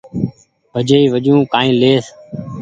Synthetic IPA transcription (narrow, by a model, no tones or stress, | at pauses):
ʋəd͡ʒeːiːʋəd͡ʒũːkãːĩːleːs